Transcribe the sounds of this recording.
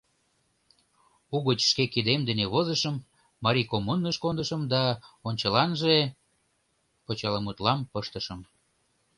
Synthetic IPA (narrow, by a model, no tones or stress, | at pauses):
uɣət͡ɕʃkekid̪emd̪əneβozəʃəmː | ɑɾikomunːəʃkond̪əʃəmd̪ɑonʲt͡ɕəlɑnʒe | pət͡ɕɑləmut̪lɑmpəʃt̪əʃəm